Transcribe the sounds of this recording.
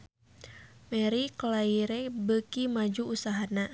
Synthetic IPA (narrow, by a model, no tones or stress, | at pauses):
mɛɾikolaiɾɛbəkimad͡ʒuːsaɦana